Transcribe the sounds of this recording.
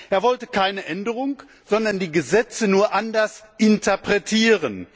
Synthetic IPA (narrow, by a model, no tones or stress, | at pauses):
ʔeːɐvɔltəkʰaɪnəʔɛndəʁʊŋ | z̥ɔndɐndiːɡəzɛt͡sənuːɐʔandɐsʔɪntʰɐpʁ̥ɛtʰiːʁən